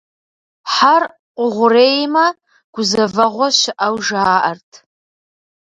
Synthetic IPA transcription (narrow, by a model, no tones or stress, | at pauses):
ħar | qʷʼʊʁʷʊreːjmɐ | ɡ̥ʷʊzɐvɐʁʷɔʃɪʔawʒaːʔɐrtʰ